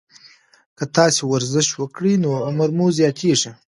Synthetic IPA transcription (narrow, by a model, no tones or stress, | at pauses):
kət̪ɑsewaɾzɪʃt̪wəkɽinoamaɾmozjɑt̪ʰeʐi